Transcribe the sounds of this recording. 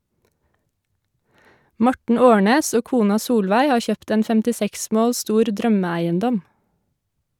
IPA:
ˈmɔʈɳ̩ ˈoːɳeːs ˈoː ˈkuːnɑ ˈsuːlʋæɪ ˈhɑː ˈçøːpt ˈeːn fɛmtɪˈsɛks ˈmoːl ˈstuːɾ ˈdɾœməˌæɪənˌdɔm

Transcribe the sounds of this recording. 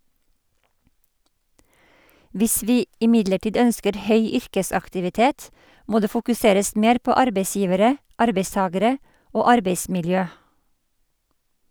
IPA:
ˈʋɪs ˈʋiː ɪˈmɪdləˌʈiːd ˈœnskəɾ ˈhœʏ ˈʏɾkəsɑktɪʋɪˌteːt ˈmoː ˈdeː fʊkʉˈseːɾəs ˈmeːɾ ˈpoː ˈɑɾbeɪˌsjiːʋəɾə ˈɑɾbeɪˌstɑːɡəɾə ˈoː ˈɑɾbeɪsmɪlˌjøː

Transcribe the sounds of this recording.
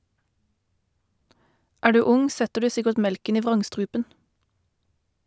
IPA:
ˈæːʁ ˈdʉː ˈʊŋ ˈsɛtəʁ ˈdʉː ˈsɪkəʈ ˈmɛlkən ˈiː ˈʋʁɑŋˌstʁʉːpən

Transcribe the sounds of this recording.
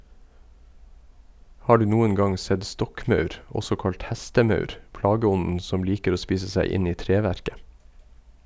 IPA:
ˈhɑː ˈɖʉː ˈnuːən ˈɡɑŋ ˈsɛd ˈstɔkˌmɑʉɾ ˈʔɔsɔ ˈkɑlt ˈhɛstəˌmɑʉɾ ˈpɽɑːɡəˌɔnən ˈsɔm ˈliːkəɾ ˈoː ˈspiːsə ˈsæɪ ˈɪn ˈiː ˈtɾeːʋæɾkə

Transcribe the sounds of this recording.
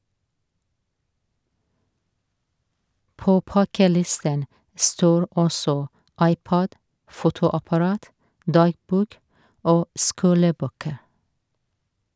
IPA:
ˈpoː ˈpɑkəˌlɪstən ˈstoːɹ ˈɔsɔ ˈɑɪˌpɑɟ ˈfuːtʊɑpɑˌɹɑːt ˈdɑːɡbuːk ˈoː ˈskuːləˌbøːkə

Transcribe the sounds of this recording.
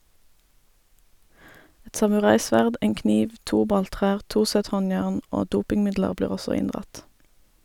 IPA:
ˈɛt sɑmʉˈʁɑɪˌsʋæʁd ˈeːŋ ˈkniːʋ ˈtuː ˈbɑlˌtʁæːʁ ˈtuː ˈsɛt ˈhɔnjæːʁn ˈoː ˈduːpɪŋˌmɪdləʁ ˈbliːʁ ˈɔsɔ ˈɪndʁɑt

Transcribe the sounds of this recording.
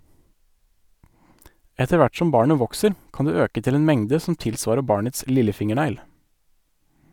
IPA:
ˈɛtə ˈʋæʈ ˈsɔm ˈbɑːɳə ˈʋɔksəɾ ˈkɑːn ˈdʉː ˈøːkə ˈtɪl ˈeːn ˈmɛŋdə sm̩ ˈtɪlˌsʋɑːɾə ˈbɑːɳəts ˈlɪləˌfɪŋəˌɳæɪl

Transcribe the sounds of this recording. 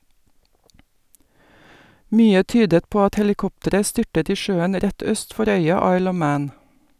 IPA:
ˈmyːə ˈtyːdət ˈpoː ˈɑt hɛlɪˈkɔptəɾə ˈstʏʈət ˈiː ˈʃøːən ˈɾɛt ˈœst ˈfɔɾ ˈœʏɑ ˈɑɪl ˈɔʋ ˈmæːn

